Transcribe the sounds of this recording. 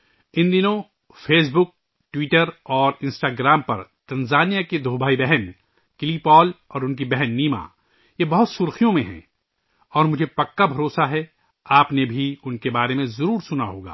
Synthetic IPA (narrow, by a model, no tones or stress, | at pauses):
ɪ̃nd̪ɪnõ | fʰeːs̬bʊk̚ | ʈwiːʈəɾɔːɾɪ̃nsʈaːɡɾaːmpɐɾt̪ɐ̃nzaːnijaked̪ʱoːbʱaːibɛɦɛn | kɪlipɔːlɔːɾʊnk̬ibɛɦɛnːiːma̰ː | jebɐɦʊt̪sʊɾxijõmẽɦɛ̰̃ | ɔːɾmʊd͡ʒʱepɐkːabʱɐɾoːsaɦɛ | aːpnebʱiʊnkebaːɾemẽzɐɾuːɾsʊnaɦoːɡa̰ː